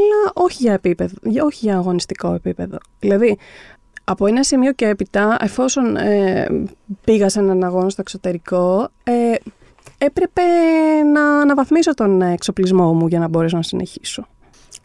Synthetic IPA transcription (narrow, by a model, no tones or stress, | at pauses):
ɐlɐʔo̞çiʝɐepipeðʝo̞çiʝɐːɣo̞nist̪iko̞e̞pipe̞ðo̞ðilɐði | ɐpo̞e̞nɐsimio̞ceepit̪ɐe̞fo̞so̞ne | piɣɐse̞nɐnɐɣo̞nɐst̪o̞eksot̪e̞ɾiko̞e | epɾe̞pe̞nɐːnɐvɐθmiso̞t̪o̞nekso̞plizmo̞muʝɐnɐbo̞ɾe̞so̞nɐsinʔe̞̰çi̥so̞